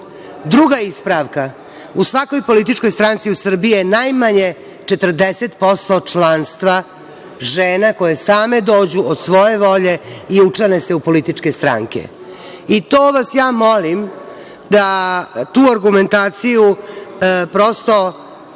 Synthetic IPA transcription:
d̪ɾuɡaispɾaʋka | usʋako̞jpo̞lit̪̬it͡ʂko̞jst̪ɾant̪siusr̩bijenajmaɲe | t͡ʂet̪r̩d̪eset̪po̞st̪o̞t͡ʂlaːnst̪ʋa | ʒeːnako̞jesaːme̞d̪o̞ːd͡ʑuod̪sʋo̞je̞ʋo̞ʎe̞iut͡ʂanese̞upo̞lit̪it͡ʂke̞st̪ɾa̰ŋkḛ | it̪o̞ːʋasjaːmo̞lim | d̪at̪uːaɾɡume̞nt̪aːt̪siju | pɾo̞st̪o̞

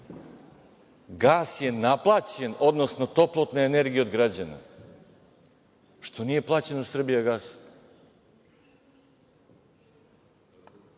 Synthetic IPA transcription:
ɡaːsje̞naplˠaːt͡ɕe̞no̞d̪no̞sno̞t̪o̞plˠo̞t̪neene̞ɾɡijeo̞d̪ɡɾad͡ʑana̰ | ʃt̪o̞nije̞plˠaːt͡ɕe̞nosr̩bijaɡaːs

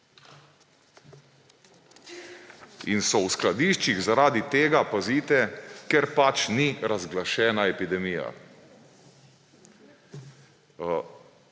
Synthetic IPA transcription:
ḭnsɔwsklad̪iʃt͡ʃiɣzaɾaːd̪it̪eːɡapaziːt̪ɛkɛɾpat͡ʃniɾazɡlaʃɛːnaɛpid̪ɛmija̰

